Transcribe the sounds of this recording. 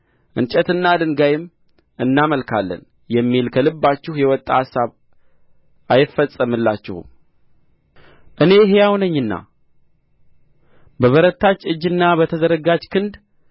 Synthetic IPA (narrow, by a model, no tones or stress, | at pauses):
ʔɨ̰nt͡ʃʼɛt̪ɨnːad̪ɨŋɡajɪm | ɨnːaməlkʰalːə̰n | jɛmːilkʰəlɨbːat͡ʃːɪhjɛwɔt̪ʼːahasaβ | ʔajɪfːəsʼəmɨlːat͡ʃːɪ̰hṵm | ʔɨne̞ɦejawnəɲːɨnːa̰ | bəβəɾət̪ʰːat͡ʃːɨd͡ʒːɨnːabət̪ʰəzəɾəɡad͡ʒkʰɨnd̪